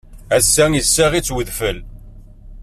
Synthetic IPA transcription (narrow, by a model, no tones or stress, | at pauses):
æsːæŋjəsːæʁit͡sːwəðfəl